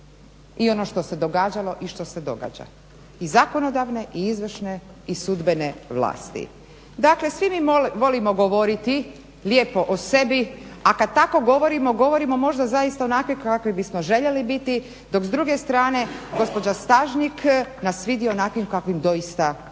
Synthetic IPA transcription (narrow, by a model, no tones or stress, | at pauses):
io̞no̞ʃt̪o̞se̞d̪o̞ɡaːd͡ʑalo̞ʔiʃt̪o̞se̞d̪o̞̰ɡa̰d͡ʑa̰ | izako̞no̞d̪aʋne̞ʔiizʋr̩ʃne | isud̪be̞ne̞ʋlˠa̰ːst̪ḭ | d̪akle̞sʋimiʋo̞limo̞ɡo̞ʋoɾit̪i | ljeːpo̞ʔose̞biakad̪̚t̪ako̞ɡo̞ʋo̞ɾimo̞ɡo̞ʋo̞ɾimo̞mo̞ʒd̪azaist̪aonakʋikakʋibismo̞ʒe̞ʎelibit̪i | d̪o̞kzd̪ɾuɡe̞st̪ɾaːne̞ɡo̞spo̞d͡ʑast̪aʒniknasʋid̪ionakʋimkakʋimd̪o̞ist̪a